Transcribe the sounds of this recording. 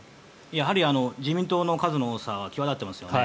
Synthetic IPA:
jaɦaɾʲiano̞d͡ʑimʲĩnt̪o̞ːno̞kazɨnooːsaːβakʲiβad̪at̪ːe̞masɨjoe

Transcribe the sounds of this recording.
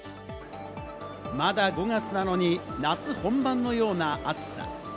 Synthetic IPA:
mad̪aɡo̞ŋat͡sɨnano̞ɲ̟inat͡sɨhõ̞mbãnːo̞jo̞ːnaat͡sɨ̥sa̰

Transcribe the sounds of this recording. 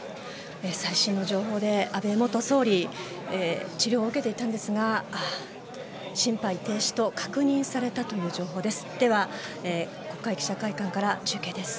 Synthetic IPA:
esaiɕĩnːo̞ʑo̞ːɦo̞ːd̪e̞abe̞mo̞t̪o̞so̞ːɾʲi | et͡ɕiɾʲjo̞ːɯ̟ke̞t̪e̞it̪ãnd̪e̞sɨɡa | ɕĩmpait̪e̞ːɕi̥t̪o̞kḁkɯ̟ɲ̟ĩɰ̃saɾe̞t̪at̪o̞jɯ̟ːʑo̞ːɦo̞ːd̪e̞sɨ̥d̪̥e̞βae | ko̞kːaikʲi̥ɕakaikãŋkaɾat͡ɕɨːke̞ːd̪e̞sɨ̥

